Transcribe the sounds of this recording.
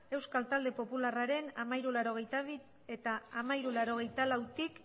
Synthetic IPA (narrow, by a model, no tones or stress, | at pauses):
e̞wskalt̪ald̪e̞po̞pularaɾe̞namajɾulaɾo̞ɣ̞e̞jt̪aβiɾ | e̞t̪aːmajɾulaɾo̞ɣ̞e̞jt̪alawt̪ik